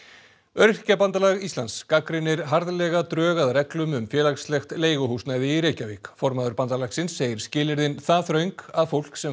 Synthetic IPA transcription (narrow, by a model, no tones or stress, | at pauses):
œɾr̥capant̪alaɣist̪anskakɾɪnːɪɾɦaɾðlɛɣat̪ɾœːɣaðrɛklʏmʏmfjɛːlakslɛxt̪leːjɣʏɦusnajðɪːɾejcavɪkfɔɾmaðʏɾpant̪alaɣsɪnsːeːjɪɾ̥scɪːlɪɾðɪnθaθɾœɥŋkaðfowl̥ksɛ